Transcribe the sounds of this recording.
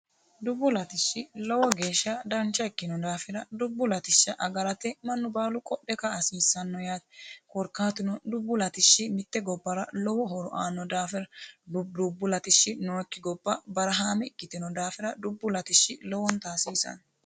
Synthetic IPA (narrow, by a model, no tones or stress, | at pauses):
d̪ʊbːʊlɐt̪ɪʃːɪlɔwɔɡe̞ːʃːɐd̪ɐnt͡ʃːɐɛkːɪnɔd̪aːfɪɾɐd̪ʊbːʊlɐt̪ɪʃːɐʔɐɡɐɾɐt̪ɛmɐnːʊbaːlʊkʼɔɗːɛkɐːsiːsːɐnːɔjaːt̪kɔɾkːaːt̪ɪnɔd̪ʊbːʊlɐt̪ɪʃːɪmɪt̪ːɛɡɔbːɐɾɐlɔwɔɦɔɾʊʔaːnːɔd̪aːfɪɾɐdd̪ʊbːʊlɐt̪ɪʃːɪnɔːɛkːɪɡɔbːɐbɐɾɐɦaːmɛɪkːɪt̪ɪnɔd̪aːfɪɾɐd̪ʊbːʊlɐt̪ɪʃːɪlɔwɔnt̪aːsiːsɐ̰n